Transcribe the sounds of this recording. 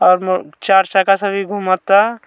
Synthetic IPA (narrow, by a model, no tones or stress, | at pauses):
ɔːɾmt͡ʃaːɾt͡ʃakasəbʱiɡʱumət̪ːa